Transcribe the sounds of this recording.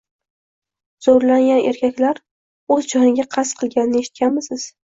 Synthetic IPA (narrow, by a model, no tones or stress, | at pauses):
z̥oɾlaŋɡʲanʔe̞ɾkʲakʲlaɾ | ɵzd͡ʒɒnɪɡʲaqʰɑsqʰɨlˠɡʲanɪnɪe̞ʃɪ̥t̪̚kʲʰanmɪsɪz̥